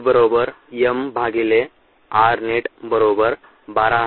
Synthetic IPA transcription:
bəɾobəɾ | jembʱaɡile | aɾneʈbəɾobəɾ | baɾaɦ

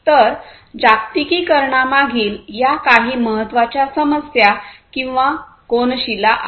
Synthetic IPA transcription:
t̪əɾ | d͡ʑakt̪ikiːkəɾɳamaɡiːljakaɦiːməɦət̪ːʋat͡ɕjasəməsjakĩw̃ʋa | konɕilaʔ

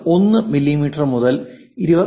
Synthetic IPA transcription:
o̞nːɨmilːimiːʈːɐrmuðɐl | iɾubɐ

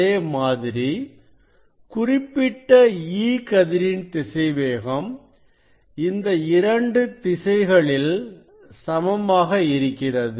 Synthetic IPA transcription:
eːmaːðɪɾi | kʊrɪpːɪʈːɐiːkɐðɪɾɪnt̪ɪsɐɪʋeːɣɐm | ɪnd̪ɐɪɾɐɳɖɯt̪ɪsɐɪɣɐɭɪl | sɐmɐmaːɣɐɪɾɯkːɪrɐðɯ

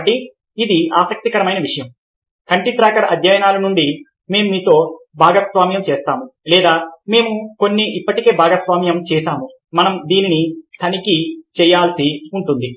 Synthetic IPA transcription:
ʈi | id̪iaːsɐk̚t̪ikɐɾɐmɐjnɐʋiʂɐjɐm | kɐɳʈit̪ɾaːkɐɽɐʔɐd̪ʱjaːjɐnaːlɐnuɳɖi | me̞ːmumiːt̪o̞ːbʱaːɡasʋaːmjɐmt͡ʃɛːst̪aːmulɛːd̪aːme̞ːmuko̞nːiʔipːɐʈike̞ːbʱaːɡasʋaːmjɐmt͡ʃɛːʃaːmu | mɐnɐmd̪iːninit̪ʰɐnikit͡ʃɛjːaːlsiuɳʈund̪i

